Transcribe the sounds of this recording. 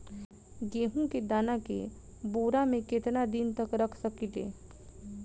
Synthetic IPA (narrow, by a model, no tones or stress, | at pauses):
ɡeːɦũked̪aːnakḛ | boːɾamẽkɪt̪nad̪int̪əkɾəkʰsəkit̪ḛː